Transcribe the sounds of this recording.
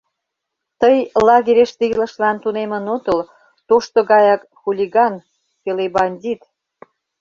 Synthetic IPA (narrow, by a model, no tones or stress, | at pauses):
t̪əjlɑɣeɾʲeʃt̪iilə̆ʃlɑnt̪unemənot̪əl | t̪oʃt̪oɣɑjɑk | xulʲiɣɑn | kelebɑnʲdʲit̪